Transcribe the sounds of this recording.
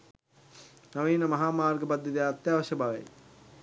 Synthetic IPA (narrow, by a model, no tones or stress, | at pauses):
nɐʋiːnɐmɐɦaːmaːɾɡɐpɐd̪ʱjɐt̪ijɐt̪jaːʋɐʃjɐbʱaːʋḛ